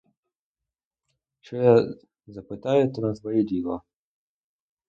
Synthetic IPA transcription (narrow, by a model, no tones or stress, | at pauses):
ʃt͡ʃɔja | zɐpɪt̪ɑjʊt̪ɔnɐsʋɐjɛd̪ʲilˠɔ